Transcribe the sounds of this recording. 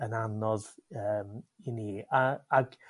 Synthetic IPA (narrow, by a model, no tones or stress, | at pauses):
ənanɔðəːminiːaaɡ̥